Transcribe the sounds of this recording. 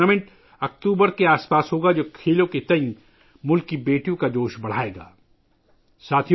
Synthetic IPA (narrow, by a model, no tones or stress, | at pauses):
amẽɳʈ | ɐk̚ʈ̪uːbəɾkeaːspaːsɦoːɡad͡ʒoːkʰeːlõket̪ɐĩ | mʊlkːibeːʈijõkad͡ʒoːʃbɐɽ̤aːeːɡa̰ː | saːt̪ʰi